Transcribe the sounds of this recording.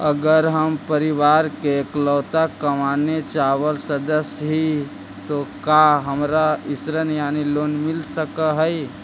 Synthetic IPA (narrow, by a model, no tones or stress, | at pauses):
əɡəɾɦəmpəɾɪʋaːɾkeklɔːt̪akəmanet͡ʃaːʋəlsəd̪əsɦi | t̪okaɦəmɾaɪsɾənjaːniloːnmɪlsəkəɦəi